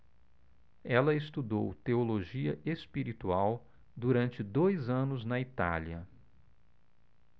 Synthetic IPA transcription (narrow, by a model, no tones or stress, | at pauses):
ɛlɐest̪ud̪owt̪eoloʒiɐespiɾit̪uaw | d̪uɾɐ̃nt͡ʃɪd̪ojzɐ̃nʊznɐit̪a̰liɐ